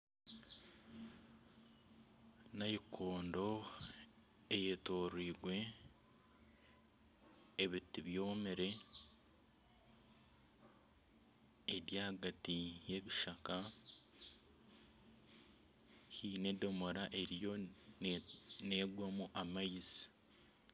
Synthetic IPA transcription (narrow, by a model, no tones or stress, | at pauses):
najikʰoːndo̞ | ejetoɾwiːɡwe̞ | βitiβjo̞ːmeɾe̞ | ɾjaɡatije̞βiʃaka | hinedo̞mo̞ɾaʔe̞ɾijo̞ | ne̞ːɡwamuʔamaisi̥